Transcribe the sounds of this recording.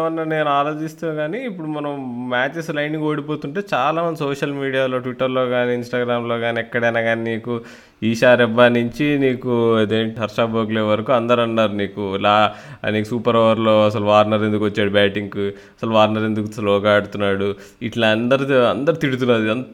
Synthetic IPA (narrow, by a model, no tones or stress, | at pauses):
ɐnːane̞ːnuaːɾoːd͡ʒist̪aːɡaːniːpːuɽumɐnɐmmaːt͡ʃeslɐjɳɖiŋɡo̞ːɽipo̞ːt̪uɳʈe̞ːt͡ʃaːlaːmɐnd̪isoːʂɐlmiːɽijaːlo̞ːʈʋiʈːɐɾlo̞ːɡaːniːnsʈaːɡɾaːmlo̞ːɡaːniɛkːɐɽɐjnaːɡaːniniːku | iːʃaːɾɛbːaːniɲt͡ʃiniːkuɐd̪eːɳʈiɦɐɾʂaːboːɡleːʋɐɾɐkuɐnd̪ɐɾɐnːaːɾuniːkuilaːniːkusuːpɐɾɔːʋɐɾlo̞ːɐsɐluʋaːɾnɐɾe̞nd̪ukʋɐt͡ʃːaːɽubaːʈiŋk | ɐsɐluʋaːɾnɐɾe̞nd̪ukuslɔːɡaːɽut̪unːaːɽu | iʈlɐɐnd̪ɐɾiɐnd̪ɐɾit̪iɽut̪̬unːaːd̪iɐn